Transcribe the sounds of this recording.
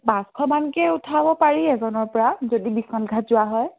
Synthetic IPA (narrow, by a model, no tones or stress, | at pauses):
baskʰɔmankɛutʰabɔpaɹiɛzɔnɔɹpɔɹazodibismanɡʱatzʊwaɦɔj